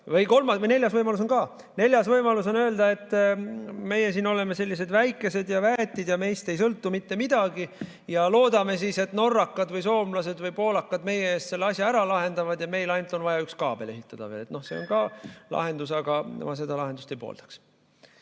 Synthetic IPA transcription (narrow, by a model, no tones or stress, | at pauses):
vɯjko̞lmɑne̞lʲjɑsvɤjmɑlus̬o̞nkɑː | ne̞lʲjɑsvɤjmɑluso̞nøːld̪ɑe̞t̪ːˑ | me̞jesiːno̞le̞me̞se̞lʲːise̞d̪væjkːˑe̞se̞d̪jɑvæt̪ʲːˑid̪jɑme̞jst̪e̞jsɤlt̪ːumit̪ːe̞mid̪̥ɑɡi | jɑlo̞ːd̪ɑme̞sise̞t̪no̞rːɑkːɑd̪̥vɤjso̞ːmlɑse̞d̪vɤjpo̞ːlɑkːɑd̪me̞jeeːst̪se̞lːeɑsʲjɑæɾɑlɑɦe̞nd̪ɑvɑd̪̥jɑme̞jlɑjnut̪ːo̞nvɑjɑykskɑːb̥e̞le̞ɦit̪ːˑɑd̪̥ɑ̰vḛːle̞t̪no̞hse̞o̰nkɑːlɑ̰ɦe̞nd̪usɑɡ̥ɑ̰mɑs̬e̞d̪ɑlɑɦe̞nust̪ejpo̰ːld̪̥ɑ̥ks